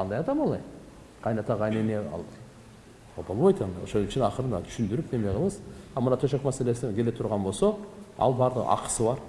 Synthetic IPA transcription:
ɑnd̪ɑjɑd̪ɑmɑlˠɑj | qʰɑjnɑt̪ʰɑʁɑjneneɑ̰lˠ | ɑlbolˠbɑjt̪ʰɑnd̪ɑo̰ʃonɪʃɪnɑqəɾənɑ̰t̪ʰʏ̥ʃɪnd̪ɪɾɪpnemeqʰəlˠəsɑmənɑt̪ʰɵʃ̬ekmæse̞le̞sɪkʲʰe̞le̞t̪ʰʊɾʁɑnbosɑɑ̰lˠbɑɾd̪əʁɑ̰qə̥səbɑɾ

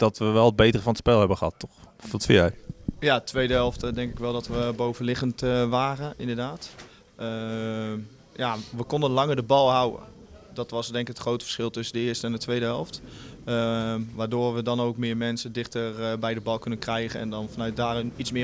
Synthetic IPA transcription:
d̥ɔtʋəʋɛlˠəd̚bejtərəfɑnətspɛlˠɦɛbəχəɦɑtːɔχɔtfɪɛjjatʰʋejdəɦɛlˠftdɛŋkɪkʋɛlˠdɔtʋəbowvənlɪχəntʋaːrəɪ̰ndədaːt | jaʋəkɔndənlɑŋərdəbɑlˠɦawə̰ | dɔtʋɑsdɛŋkɪkətχrowtəfə̥sχɪlˠtɵsəndəɪːstəɛndətʋejdəɦɛlˠft | ʋaːdoːrʋədɔnowkmɪːɹmɛnsədɪχtərbɛjdəbɑlˠkɵnənkrɛjχənɛ̰ndɔnfɔnœɥt̚daːrnitsmɪː

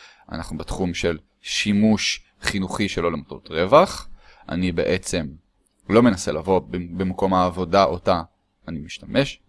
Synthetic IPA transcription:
a̰naχnubetχumʃe̞l | ʃimuʃ | χinuχiʃelo̞lemato̰tʁe̞vaχ | ʔa̰nibe̞̰ʔet͡se̞m | lo̞me̞nase̞lavo̞bbemako̞maːvo̞daʔotaː | nimiʃtamʔe̞ʃ

